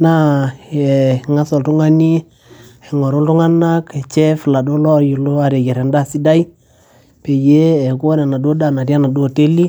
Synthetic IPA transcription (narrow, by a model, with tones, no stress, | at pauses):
na˦˨ | ŋa˦so˨ltu˦ŋa˦ni˦ | ɛ˨ŋɔ˨ɾu˦ltu˦ŋa˦na˦ke˨t͡ʃɛ˦fi˨la˨do˦lɔ˦ju˨lo˦a˨ɾe˨ɡɛ˨ɾɛ˨nda˦˨si˦da˦ji˦ | pe˨je˦ɛ˨ku˦wa˦nɛ˨na˨do˦da˨na˨di˦a˦na˨do˦˨te˦li˦